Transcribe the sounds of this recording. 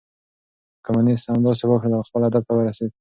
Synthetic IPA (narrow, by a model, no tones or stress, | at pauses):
kamunishamd̪ɑsewəkɽelaxpəlad̪ap̚t̪awəɾased̪